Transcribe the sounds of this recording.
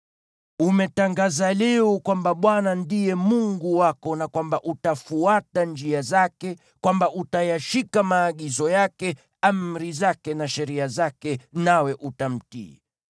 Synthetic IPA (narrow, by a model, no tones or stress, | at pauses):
umɛtaŋɡazalɛɔkwambaɓwanandijɛmuŋɡuwakɔnakwambaʔutafuatand͡ʒiazakɛ | kwambaʔutajaʃikamaːɠizɔjakɛ | amɾizakɛnaʃɛɾiazakɛnawɛʔutam̩tḭ